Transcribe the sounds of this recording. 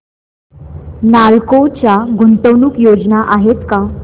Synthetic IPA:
nalkot͡ɕjaɡʱunt̪əwnuːkjod͡znaʔaɦet̪ka

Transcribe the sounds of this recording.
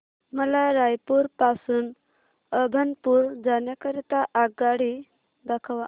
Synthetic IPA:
məlaɾajpuːɾpasuːn | əbʱənpuːɾd͡zanjakəɾit̪aʔaɡaɽi | d̪akʰaʋa

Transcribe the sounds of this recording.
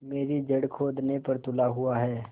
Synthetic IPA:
meːɾid͡ʒɐɽkʰoːd̪nepɐɾt̪ʊlaɦʊaɦɛː

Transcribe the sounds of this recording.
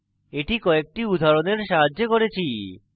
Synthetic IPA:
eʈikɔek̚ʈiud̪ʱaɾoneɾʃaɦad͡ʑːokoɾet͡ɕʰi

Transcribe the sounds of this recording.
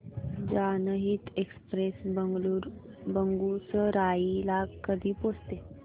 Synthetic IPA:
d͡ʑanəɦiːt̪ekspɾesbəɡluɾbəŋɡuɾt͡səɾailakəd̪ʱiːpost̪e

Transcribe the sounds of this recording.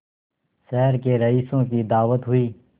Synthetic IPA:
sɛɦɾkeɾəiːsõkid̪aːʋət̪ɦʊiː

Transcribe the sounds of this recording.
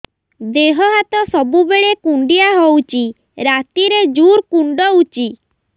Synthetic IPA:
d̪eɦɔɦat̪ɔsɔbubeɭekuɳɖiaɦowt͡ʃʰi | ɾat̪iɾed͡ʒuɾkuɳɖɔut͡ʃi

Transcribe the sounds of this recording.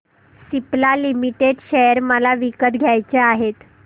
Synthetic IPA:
siplalimiʈeɖɕejəɾməlaʋikət̪ɡʱjajt͡ɕeaɦet̪

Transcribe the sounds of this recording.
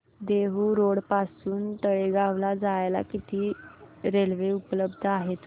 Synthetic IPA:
d̪eɦuɾoɽpasuːnt̪əɭeɡaʋlad͡zajla̰kit̪ʰiːɾelʋeupləbd̪ʱaɦet̪

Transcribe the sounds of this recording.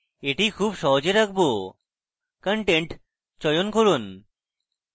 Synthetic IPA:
eʈikʰubʃɔɦod͡ʑeɾak̚ʰbo | kəɳʈeɳʈ | t͡ɕɔjonkoɾun

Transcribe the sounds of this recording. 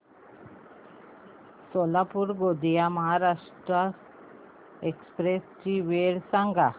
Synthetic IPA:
solapuɾɡod̪ijamaɦaɾaʂʈɾa | ekspɾesʈiʋeɽsaŋɡʱa

